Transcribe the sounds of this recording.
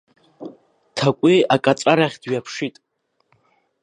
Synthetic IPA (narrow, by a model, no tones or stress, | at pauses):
tʰakʷʼiakʼat͡ʃʼaɾaχʲdɥjapʰʂitʼ